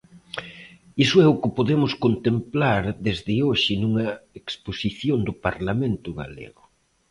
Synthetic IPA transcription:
isʊɛʊkɪpoðemʊskont̪emplaɾðezðɪoʃɪnuŋɐeksposiθjond̪ʊpaɾlamẽnt̪ʊɣa̰lḛɣʊ

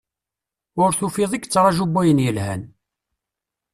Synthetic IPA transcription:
ʊɾθufiðˤiɡt͡sːɾˤɑʒubːæjənjəlhæ̰n

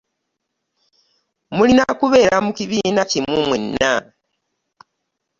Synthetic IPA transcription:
mulinakuβe̞ːɾamukiβinacimumwenːa

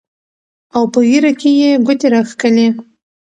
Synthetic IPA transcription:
awpəɣiɾakʲejeɡʊt̪eɾaxkəle

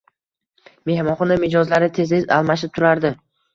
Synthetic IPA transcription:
me̞hmɒχɒnamɪd͡ʒɒzlaɾɪt̪ʰe̞zeza̰lˠmaʃɪp̚t̪ʰʊɾaɾd̪ɪ

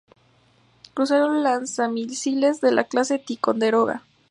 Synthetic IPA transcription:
kɾus̬eɾolansamilsilezðe̞lʔa̰klase̞t̪iko̞nd̪eɾoɣa̰

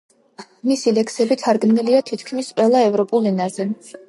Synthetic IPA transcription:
misilɛkʰsɛbit̪ʰaɾɡmniliat̪ʰit̪ʰkʰmisqʼwɛlˠaɛvɾɔpʼulˠinazɛ

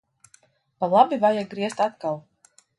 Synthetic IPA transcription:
palˠabivajaɡɾiɛst̪at̪kalˠ

